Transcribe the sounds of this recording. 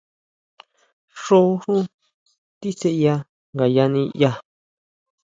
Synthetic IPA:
ʂo˦˧ʂũ˦ | t̪i˦se˧ʔja˧ | ŋɡa˨ja˧nĩ˧ja˧

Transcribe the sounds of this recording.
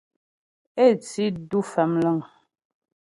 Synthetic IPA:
e˦˨t͡si˦du˦fɛ˨mlə˦˨ŋ

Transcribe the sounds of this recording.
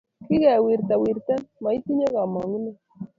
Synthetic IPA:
ki˦ɣɛ˨wi˨ɾt̪a˨wi˨ɾt̪ɛ˦nma˨i˦t̪i˦ɲa˦ɣa˨ma˨ŋu˦ne˦˨

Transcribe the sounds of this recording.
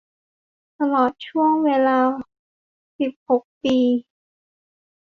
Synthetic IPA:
t̪a˧lɔː˨˩t̪̚t͡ɕʰu˥˩əŋweː˧laː˧ | si˨˩p̚ho˨˩k̚piː˧

